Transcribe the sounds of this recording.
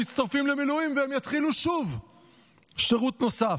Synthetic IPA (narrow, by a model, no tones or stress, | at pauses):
itt͡st̪aʁfimlemiluimveemjat̪χiluʃuv | ʃeʁut̪no̞sa